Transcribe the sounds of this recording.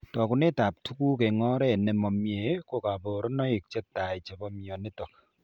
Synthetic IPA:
tɔ˨ku˨ne˦ta˨p̚tʰu˦ku˦ke˨ŋɔ˦ɾɛ˦˨nɛ˨mɔ˨mje˨ko˨ka˨po˨ɾɔ˦nɔ˦i˨k̚t͡ʃɛ˦ta˨i˨t͡ʃe˨bɔ˦mjɔ˨ne˦tɔ˨k̚

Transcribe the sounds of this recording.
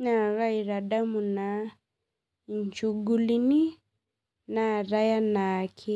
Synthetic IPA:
ɲa˨ɾa˦i˨ɾa˨ɗamuna | ɲt͡ʃuɡulini˦ | na˨ɾa˦ja˦nakʰi˦

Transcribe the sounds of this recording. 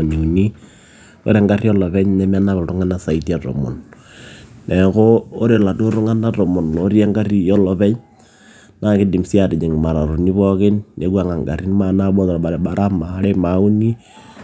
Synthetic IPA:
ni˨u˨ni˦ | ko̰˦ɾɛ˦ŋɡa˦ri˦ɔ˦lɔ˨βɛ˦ɲnɛ˦m˦a˦na˦βɛ˨lɾʊ˦ŋa˦na˦sa˨iti˦a˨tɔ̰˨mɔ̰˨n | nʔɛ˨koː˦ɾe˨la˨to˦ɾʊ˦ŋa˦na˦tɔ˨mɔ˨no˦ɾja˦ŋɡa˦ri˦jɔ˦lɔ˨pɛ˦ɲ | na˦kɪ˦di˨msi˦a˨ɾɪ˨ɲe˨ŋ˨ma˨ɾa˨ɾu˨ni˦βɔ˦kɪ˦nne˨˦kwa˨ŋa˨ŋɡa̰˨ɾi˦nma˨na˦bɔ˦tɔ˨ɾa˨ɾɓa˨ɾa˦ma˨ɾe˦ma˨˦u˦ni˦

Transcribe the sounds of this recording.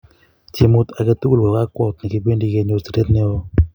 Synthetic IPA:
t͡ʃi˨mʊ˦t̪a˨ke˦t̪u˦lwɔ˨ka˦kɔ˦˨t̪ni˨ki˦be˦ndi˦ke˦ɲo˨si˨ɾe˦t̪nɪ˦ɔ˦˧

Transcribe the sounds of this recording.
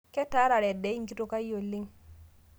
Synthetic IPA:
ke˦ta˨˦ɾa˨ɾe˨de˨˦i˦ŋ˦ki˦to˦ka˦jo˨lːi˦ŋ

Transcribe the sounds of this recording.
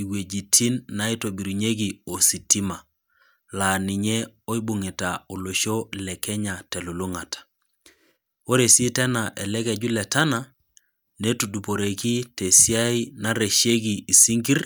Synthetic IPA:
i˨we˨d͡ʒi˨tʰi˦nːa˦i˦to˨bi˨ɾi˨ɲe˦ɡ̬i˨o˨si˨ti˦ma˨ | la˨ni˨ɲɛ˦o˦i˦bu˨ŋi˨ta˨o˨lo˨ʃo˦lɛ˨kɛ˦ɲa˨tɛ˨lo˨lo˦ŋa˨tḁ˨ | o˦ɾe˨si˦tɛ˦na˨ʔɛ˨lɛ˦kɛ˨d͡ʒu˦lɛ˨ta˦na˨ | ne˦tu˨du˨po˨ɾe˨ki˦te˨si˦a˦i˦na˦ɾe˨ʃe˦ɡi˨i˨si˦ŋɡi˦r

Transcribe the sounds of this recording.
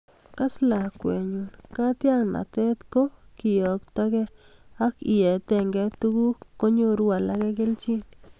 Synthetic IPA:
ka˦sla˨kʷe˨ɲu˧ka˦t̪ja˦ŋna̰˨t̪e˦t̪ko˦ki˧jo˨kt̪a˦ɡe˦a˦ki˨˧je˨t̪e˧ŋɡe˦t̪u˦ɡu˦ko˦ɲo˧ɾwa˧la˧ɡe˦ɡe˦lt͡ʃi˦n

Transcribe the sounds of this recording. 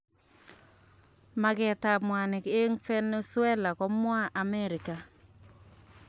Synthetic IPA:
ma˨ɡɛ˨ta˨mwa˨nɪ˨ke˦ŋfɛ˦ne˦swɛ˦la˨kɔ˦mwa˦ʔa˨mɛ˦ɾɪ˨ka˨

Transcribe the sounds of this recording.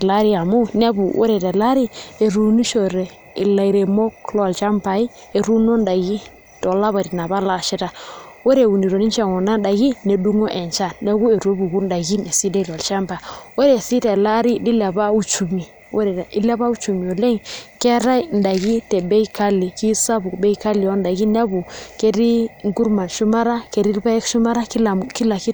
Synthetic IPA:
la˦ɾi˦a˨mu˦nɛ˦bu˨ʔo̰˦ɾɛ˨tɛ˨la˦ɾi˦e˨ɾu˨ni˦ʃo˨ɾɛ˨ | i˨la˨i˨ɾe˨mɔ˦klɔ˦˨lt͡ʃa˦mpa˨i˦ | e˨ɾu˦no˦nda˨ɡi˦ | tɔ˨la˦βa˨ɾi˨na˨βa˦la˨ʃi˦ta˨wo˦ɾe˨wu˨ni˨ɾo˨ni˦t͡ʃa˦˨ŋɔ˨na˦nda˨ɣi˦ne˨du˦ŋo˦ʔɛ˨nt͡ʃa˦˨nɛ˦ɣu˦e˨ɾu˨e˦bu˨ɡu˦nda˨ɡi˦ne˨si˦de˦˨lɔ˨lt͡ʃa˦mpa˨wɛ˦ɾe˨si˦tɛ˨la˦ɾi˦di˦la˨ba˦u˦t͡ʃu˨mi˨ | wɛ˦ɾɛ˨i˦la˦ba˦u˦t͡ʃu˨mi˨ɔ˨lɛ˦ŋkɛ˦ɾa˦jnda˨ɡi˦tɛ˨bɛ˦jka˦li˨ki˦sa˦bu˨kbɛ˦ika˦li˨jɔ˦nda˨ɡi˦n˦a˦bu˨ke˦ɾi˦ŋɡu˦ɾma˨nʃu˦ma˦ɾa˦ke˨ɾi˦lba˦ɛ˦kʃu˦ma˦ɾa˦a˨ki˦la˨ki˦

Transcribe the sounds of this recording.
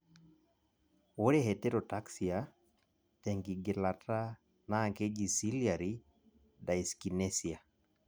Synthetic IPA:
o˦ɾeɦe˨te˦ɾo˨ta˦ksia | tɛ˨ŋɡi˨ɡɪ˨la˨ta˦ | na˨ŋke˦ɡi˨si˦lia˨ɾi | da˨i˨ski˨nesia˨

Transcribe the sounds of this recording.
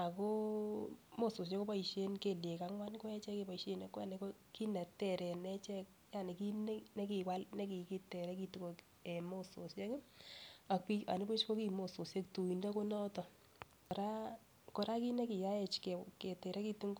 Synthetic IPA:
a˨ko˦ | mo˦so˨s̬je˦ko˦pa˦i˨ʃe˦nke˨lje˨ka˦ŋwa˦nko˦ɛ˦t͡ʃɛ˦ke˦pa˨i˨ʃe˦na˨ka˨ne˨ko˦ki˦nɛ˨tɛ˨ɾɛ˨nɛ˦t͡ʃɛ˦k̚ | ja˨ne˨ki˦n˦ne˦ki˨wa˦lne˦ki˨ki˦tɛ˨ɾɛ˦ki˦tu˨ko˨k | e˨mo˦so˨sje˦k | a˨ki˦a̰˨ni˦po˦t͡ʃko˦ki˦mo˨so˨sje˦ktu˨i˨nda˦ko˦nɔ˦tɔ˨ | ɔɾa˦ | kɔ˨ɾa˦ki˦ne˦ki˨ja˦ɛ˨t͡ʃke˨ke˨tɛ˨ɾɛ˦ki˦tu˦ŋɡ

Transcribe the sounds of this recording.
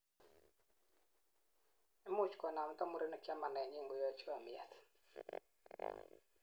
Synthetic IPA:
ɛ˦mʊ˦t͡ʃkɔ˨na˨m˦tɔ˦mu˦ɾe˦na˨t͡ʃa˦ma˨nɛ˨ɲi˦ŋɡo˨˦jɔ˦t͡ʃwa˨mɪɛ̰˨t̪

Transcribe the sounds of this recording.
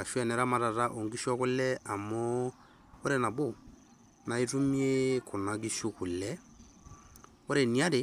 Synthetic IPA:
a˨ʃwɛ˨nɛ˨ɾa˦ma˨ɾa˨ɾa˦ʔo˨ŋɡi˦ʃwa˦ko˦lɛ˦ʔa˨mɔ˦ | o˦ɾɛ˦na˨βo˦˨ | na˨e˦tu˦mie˦ko˨na˨ɣi˦ʃu˦ku˨lɛ˦ | o˦ɾɛ˨ni˦a˦ɾe˨

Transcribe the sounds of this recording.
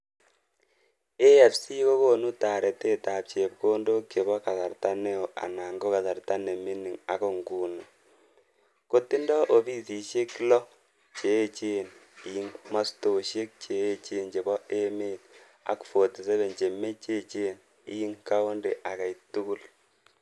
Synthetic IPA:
e˦ja˨psi˦ko˦ko˦nu˦ta˨ɾe˨te˦ta˨p̚t͡ʃe˨pko˦ndo˦kt͡ʃe˨bɔ˦ka˨sa˨ɾta˦ne˦o˨ʔa̰˨na˨ŋɡo˦ka˨ta˨rta˦ne˨mi˦ni˨ŋa̰˨˦ko˨ŋɡu˨nu˨ | ko˦ti˦ndɔ˦ʔo˨bi˦si˨ʃe˦klɔ˦ | t͡ʃe˨˦t͡ʃe˦ni˨i˦ŋma˦sto˨ʃe˦k̚t͡ʃe˨e˦t͡ʃe˦nt͡ʃe˨bɔ˦ʔe˦meː˦t | a̰˨kfo˨ti˨se˦βe˨nt͡ʃe˨me˦t͡ʃe˦t͡ʃe˦˨n | i˦ji˦ŋka˦o˦nde˨ʔa˨ka˨itu˦ku˦l

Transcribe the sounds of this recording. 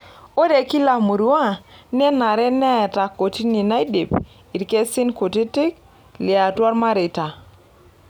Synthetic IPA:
o˦de˨ki˦la˨mu˨ɾu˦a˦˨nɛ˦na˨ɾɛ˦nɛ˦˨ta˨ko˨ti˦ni˨na˦i˦di˨p | i˨ɾke˦sɪ˦nko˨ti˦tɪ˦k̚ | lɪ˨a˨twɔ˦ɾma˦ɾɪ˨ta˨

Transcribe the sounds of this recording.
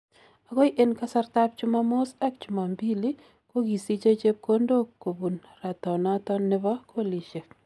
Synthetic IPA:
a˨ɡɔ˦jʔe˨nka˦sa˦rt̪ap̚t͡ʃʊ˦mamo˦sɛ˦kt͡ʃʊ˨ma˨mbi˦li˦ | ko˦ɡi˨si˦t͡ʃe˦t͡ʃe˦p̚ko˦ndo˦kːo˨bu˨nra˨t̪ɔ˨na˦t̪ɔ˦nɪ˦bɔ˦kʰo˦li˨ʃe˨

